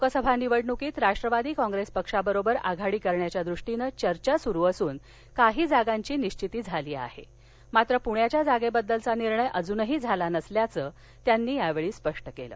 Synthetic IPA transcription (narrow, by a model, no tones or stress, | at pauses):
okəsəbʱaniʋəɽnukiːt̪ɾaʂʈɾəʋad̪iːkɔ̃ŋɡɾespəkʂabəɾobəɾa̰ɡʱaɽiːkəɾɳjat͡ɕjad̪ɾuʂʈinət͡ɕəɾt͡ɕasuɾuːəsuːn | kaɦiːd͡zaɡaɲt͡ɕiːniɕt͡ɕit̪iːd͡zʱaliːa̰hḛ | mat̪ɾəpuɳjat͡ɕjad͡zaɡebəd̪ːəlt͡saniɾɳəjʔəd͡zunəɦiːd͡zʱalanəsljat͡səː | t̪janːiːjaʋeɭiːspəʂʈəkelə̰ː